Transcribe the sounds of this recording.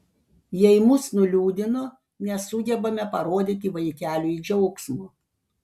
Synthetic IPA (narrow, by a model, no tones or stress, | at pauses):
jɛɪmʊsnʊlʲuːd̪ʲɪnoː | nʲɛsʊɡʲɛbɐmʲɛpɐɾoːd̪ʲɪt̪ʲɪʋɐɪkʲæːlʲuid͡ʒʲɛʊksmo